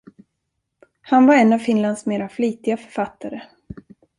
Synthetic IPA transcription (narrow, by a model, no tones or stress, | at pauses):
hanvaɾɛnːavfɪnlansmeːɾafliːt̪ɪɡafœ̥ɾfat̪ʰːaɾə